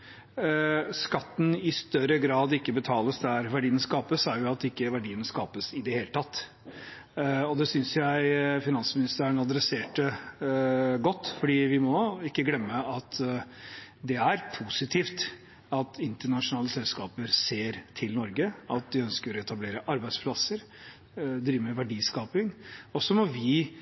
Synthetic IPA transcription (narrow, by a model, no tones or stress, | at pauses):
skɑt̪ːn̩ɪst̪œɾəɡɾɑːd̪ɪkːəbət̪ʰɑːləsd̪æɾʋæɖiːənskɑːpəsæɾjʊɑt̪ɪkːəʋæɖiːənəskɑːpəsɪd̪ɛheːlət̪ʰɑt̪ː | ɔd̪ɛsʏnsjæɪfɪnɑnsmɪnɪst̪əɾəɳɑd̪ɾɛseːʈə | ɡɔt̪ːfɔɖiːʋɪmɔɪkːəɡlɛmːəɑt̪ʰ | d̪ɛæɾpʰuːsɪt̪ʰiːft̪ | ɑt̪ʰɪnt̪əɳɑʂʊnɑːləsɛlskɑːpəɾseːɾt̪ʰɪlnɔɾɡəɑt̪̚d̪ɪœnskəɾɾɔɛt̪ɑbleːɾəʔɑɾbæɪd̪spʰlɑsəɾ | d̪ɾiːʋəmɛʋæɖiːskɑːpɪŋɔsːɔmɔʋɪ